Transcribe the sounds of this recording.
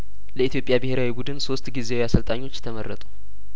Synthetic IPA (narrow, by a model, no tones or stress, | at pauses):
ləit̪ʰjo̞pʼjabɨheɾawibud̪ɨnso̞st̪ɡizeawjasəlt̪ʼaɲːo̞t͡ʃːt̪ʰəmərːət̪ʼu